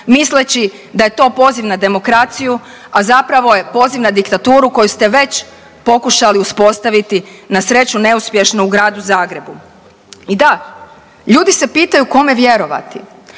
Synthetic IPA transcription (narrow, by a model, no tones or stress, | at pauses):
mislet͡ɕi | d̪aje̞t̪o̞ːpo̞ziʋnad̪e̞mo̞kɾat̪siju | azapɾaʋo̞je̞po̞ziʋnad̪ikt̪at̪uːɾuko̞just̪e̞ʋe̞t͡ɕ | po̞kuʃaliuspo̞st̪aʋit̪inasɾe̞t͡ɕune̞uspje̞ʃnouɡɾaːd̪uzaːɡɾe̞bu | id̪a | ʎuːd̪ise̞piːt̪ajuko̞me̞ʋje̞ɾo̞ʋa̰t̪i